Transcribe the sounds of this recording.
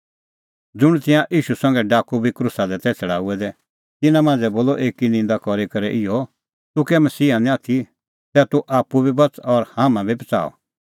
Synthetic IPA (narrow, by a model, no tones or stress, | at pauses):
d͡zʊɽ̃t̪ɪ̃jãʔiːʃusɐ̃ŋ̆ɡɛɖaːkubʱikɾʊsad̪ɛt̪ɛːt͡sʰɐɽaːuɛd̪ɛ | t̪ɪnãmãːnd͡zɛboːlɔʔeːkinɪ̃nd̪akɔɾikɐɾɛʔɪjɔ | t̪ʊkɛmɐsiːɦanĩat̪ʰi | sɛt̪uʔaːpːubʱibɐt͡sɔɾhaːmãbʱibɐt͡sa̰ːɔ̰